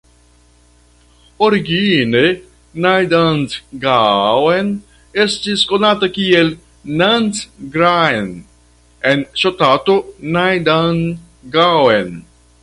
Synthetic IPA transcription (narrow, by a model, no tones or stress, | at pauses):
oɾiɡine | najd̪antɡawen | est̪iskonat̪akiel | nantɡɾan | enʃot̪at̪onajd̪an | ɡawen